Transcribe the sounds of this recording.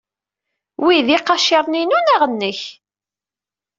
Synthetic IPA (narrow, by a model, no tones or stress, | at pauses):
wiðiqːɑʃiɾˤninunæʁənːəç